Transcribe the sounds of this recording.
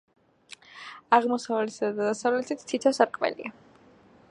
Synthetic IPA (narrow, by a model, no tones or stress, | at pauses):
aʁmɔsavlɛt̪sad̪ad̪ad̪asavlɛt̪ʰit̪t̪ʰːit̪ʰɔsaɾqʼvɛ̰lḭa